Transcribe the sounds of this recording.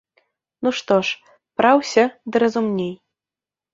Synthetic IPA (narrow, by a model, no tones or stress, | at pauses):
nuʂt̪ɔʂ | pɾawsʲɐd̪ɨɾɐzumnʲej